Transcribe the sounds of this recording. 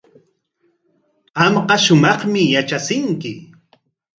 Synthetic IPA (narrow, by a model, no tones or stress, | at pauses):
ɑmɢɑʃʊmɑχmɪjat͡ʃasɪŋkɪ